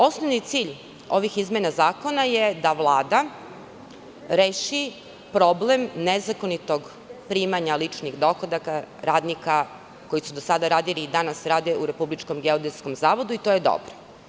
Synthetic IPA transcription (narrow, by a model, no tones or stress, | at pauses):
o̞snoʋnit̪siːʎ | o̞ʋixizmʲenazaːko̞najed̪aʋlˠaːd̪a | ɾeːʃi | pɾo̞blemnezakonit̪o̞ɡ | pɾiːmaɲalit͡ʃniɣd̪o̞xod̪akaɾaːd̪nika | ko̞jisud̪osad̪aɾaːd̪iliːd̪anasɾaːd̪euɾe̞publit͡ʃko̞mɡeod̪esko̞mzaːʋo̞d̪uit̪oje̞d̪o̰bɾo̥